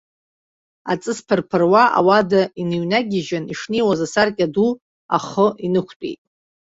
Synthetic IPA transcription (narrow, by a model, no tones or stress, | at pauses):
a̰t͡sʼɨspʰɨrpʰɨrwaʔa̰wadainɨɥnaɡʲɪʒaniʂnejwazasarkʲʼadu | a̰χəinɨkʷʰtʷʼḛjtʼ